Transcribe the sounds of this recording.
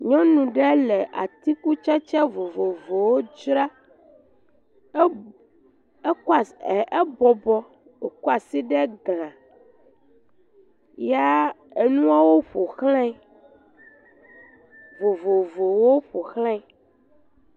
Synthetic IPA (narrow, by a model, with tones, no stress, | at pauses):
ɲɔ̃˦nũ˨ɖɛ˦lɛ˨ʔa̰˨t̪i˦ku˦t͡ʃa˦t͡ʃɛ˦vo˨vo˨vo˨wo˦d͡ʒɾa˦ | ka˨e˦bɔ˨bɔ˦ | e˨ku˦a˨si˦ɖɛ˦ɡl̃ã˨ | ja˦ | e˨nũ˦a˦wo˦ɸo˨xlɛ̃˦˨ | vo˨vo˨vo˨wo˦ɸo˨xlɛ̃˦